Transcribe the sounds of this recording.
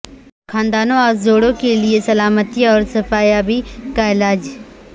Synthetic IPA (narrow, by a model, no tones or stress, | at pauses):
kʰãːnd̪aːnõaːzzoːɽõkeliesɐlaːmət̪ijaɔːɾsɐpaːjaːbikaɪlaːd͡ʒ